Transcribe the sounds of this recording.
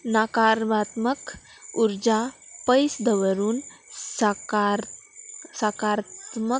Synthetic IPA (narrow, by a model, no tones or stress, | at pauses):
nakaɾʋat̪mək | uɾd͡ʑapəjsd̪əʋəɾuːnsk | sakaɾt̪mə